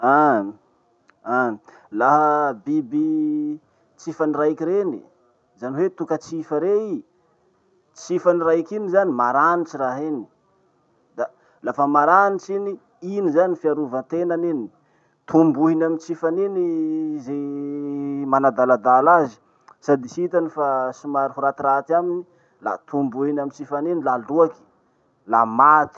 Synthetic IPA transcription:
a | a | laɦəbibi | t͡sifanirajkiɾeni | zaniwet̪ukət͡sifəɾei | t͡sifaniɾajkinizanimaɾanit͡ʃiraɦini̥ | d̪a | lafəmaɾanit͡ʃini | inizanifiaɾuvant̪enanin | t̪ʰumbuɦinamint͡sifaninize | manad̪alad̪alazi̥ | sad̪isit̪anifasimaɾuɦuɾat̪iɾat̪amini | la̰t̪ʰumbuɦinamint͡sifaninilaluaki̥ | lamat̪i̥

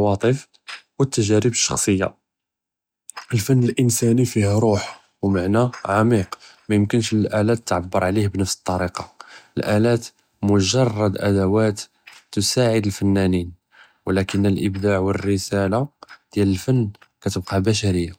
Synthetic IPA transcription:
wɑt̪ˤəf | wət̪ːəʒæɾəbəʃːɑ̥xsˤəjːa̰ | əlfənːəlʔənsænifihɾˤuħ | wmaʕnæʕamiqmæjəmkənʃəlʔælæt̪ːʕabːəɾˤʕlihbnəfsə̥t̪ˤːɑɾiqɑəlʔælæt̪ | mʊʒɑrˤːɑd̪ʔæ̰d̪æwæt̪ː | ʊsaʕəd̪əlfənːænin | wəlækənːəlʔəbd̪aʕwərːəsælad̪̥jæləlfənːkæt̪əbqɑbæʃ̬æɾəjːa

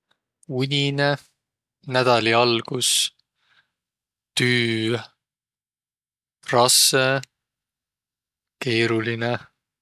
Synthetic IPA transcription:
unʲine | næd̪̥ɑlʲiɑlɡ̥us | t̪yː | rɑsːe | ke̞ːɾuline

